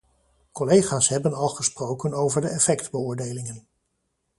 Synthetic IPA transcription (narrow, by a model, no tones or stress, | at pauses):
kɔlejχaːsɦɛbənɑlˠχəsprowkənowvəɹdəʔɛfɛktbəʊːɹdejlɪŋən